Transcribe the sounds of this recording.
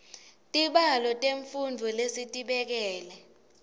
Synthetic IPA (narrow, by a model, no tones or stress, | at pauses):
tʼiɓalɔtʼeɱfundʱɔlesitʼiɓɛk̬ɛːlɛ